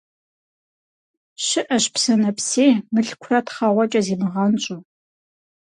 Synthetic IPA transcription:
ʃɪʔɐʃpsɐnɐpseːmɨɬkʷʰrɐtʰχɐʁʷɐt͡ʃʼɐziːmɨʁɐnt͡ʃʼo

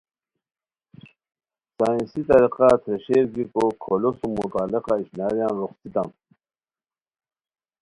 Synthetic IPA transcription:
saːĩnsit̪ɐɾiqɑt̪ʰɾeɕeːɾɡikokʰolosumut̪aːleqɑiɕnaːɾjãnɾoχt̪it̪am

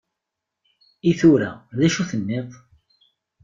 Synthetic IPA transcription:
iθuɾæðæʃuθənːɪðˤ

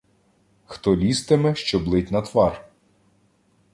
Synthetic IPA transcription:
xt̪ɔlʲist̪ɪmɛʃt͡ʃɔblˠɪtʲnɐt̪ʋɑr

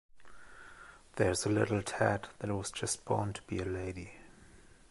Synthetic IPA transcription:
ðə˞zəlɪ̰ɾl̩ˠtʰætðɨt̚wʌz̥d͡ʒʌs̚b̥ɔ̰ntʰə̥b̥iɨleɪɾi

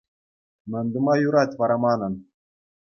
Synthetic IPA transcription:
mɘ̆nʲd̪ɤ̆mɑjuɾɑtʲʋɑɾɑmɑnɤ̆n

